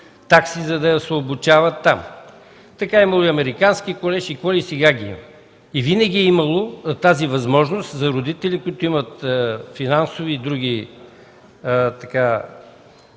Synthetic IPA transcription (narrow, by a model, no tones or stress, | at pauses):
t̪aksizɐd̪ɐɐsvoːbʊt͡ʃavɐt̪ːam | t̪ɐkaɛimɐlˠoiɐmɛɾikanskikolɛʃikɔlisɛɡaɡʲiḭm | ivinɐɡʲiɛimɐlˠot̪azivɐzmɔʒnost̪zɐɾod̪it̪ɛlikʊit̪ʊimɐt̪finansoviːd̪ɾuɡʲi | t̪ɐka